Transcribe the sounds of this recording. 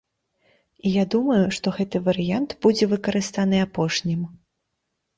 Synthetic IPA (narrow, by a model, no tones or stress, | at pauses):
ijad̪umɐjuʂt̪ɔɣɛt̪ɨvɐɾɨjant̪bud͡zʲɛvɨkɐɾɨst̪anɨapɔʂnʲim